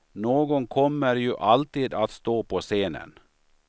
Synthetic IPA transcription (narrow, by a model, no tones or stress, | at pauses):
noːɡɔŋkʰɔmːəɾjʉʔalt̪iːd̪at̪st̪oːpʰɔseːnə̰n